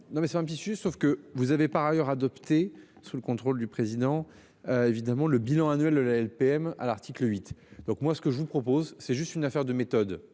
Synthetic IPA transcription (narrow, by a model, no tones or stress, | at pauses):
nɔ̃mɛsɛt̪ɛ̃pət̪isyʒɛsofkəvuzavepaʁajœʁad̪ɔpt̪e | suləkɔ̃t̪χold̪ypχezid̪ɑ̃ | øevid̪amɑ̃ləbilɑ̃anɥɛld̪əlaɛlpeɛma̰laʁt̪ʰikləɥit̪d̪̥ɔ̃kmwasə̥kəʒəvupχɔpozsɛʒyst̪ynafɛʁd̪əmet̪ɔd̪